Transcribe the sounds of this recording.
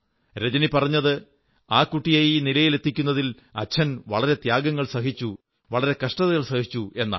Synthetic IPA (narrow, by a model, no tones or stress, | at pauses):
ɾed͡ʑɐnipɐrɐɲːɐðɨ | aːkuʈːijaːjinilɐjile̞t̪ːikʲːunːɐðil | ɐ̰t͡ɕʰːɐnʋɐɭɐɾe̞t̪jaːɡɐŋːɐɭsɐɦit͡ɕːu | ʋɐɭɐɾe̞kɐʂʈɐðɐɣɐɭsɐhit͡ɕːue̞nːa̰ː